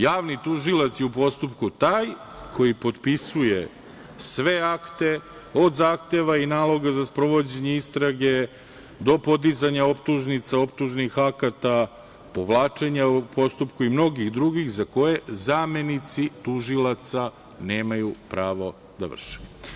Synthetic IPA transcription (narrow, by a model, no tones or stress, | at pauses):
jaːʋnit̪uʒilˠat̪siupo̞st̪upkut̪aːj | kʰo̞jipo̞d̪pisujḛ | sʋe̞akt̪e̞ | o̞d̪zaːxt̪e̞ʋainaːlˠo̞ɡazaspɾo̞ʋo̞d͡ʑe̞ɲe̞ist̪ɾaɡe̞ | d̪o̞po̞d̪izaɲaopt̪uʒnit̪sao̞pt̪uʒnixakat̪a | po̞ʋlˠaːt͡ʂe̞ɲapʰo̞st̪upkuimno̞ɡixd̪ɾuɡixzako̞je̞zame̞nit̪sit̪uʒilat̪sa | ne̞ːmajupɾaːʋo̞ | d̪a̰ʋr̩ʂe̥